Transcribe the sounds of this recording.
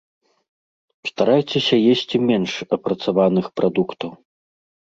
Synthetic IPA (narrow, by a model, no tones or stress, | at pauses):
st̪aɾajt͡sʲesʲɐjesʲt͡sʲimʲɛnʂɐpɾɐt̪savanɨxpɾʔad̪ukt̪ɐw